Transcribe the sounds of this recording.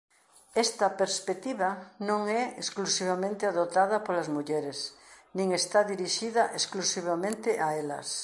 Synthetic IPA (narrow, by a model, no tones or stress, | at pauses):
ɛst̪ɐpeɾspek̚t̪iβanõŋɛesklusiβ̞amẽnt̪ɪaðot̪aðɐpolazmuʎɛɾesnĩŋest̪aðiɾiʃiðaʔesklusiβamẽnt̪eʔaelɐ̰s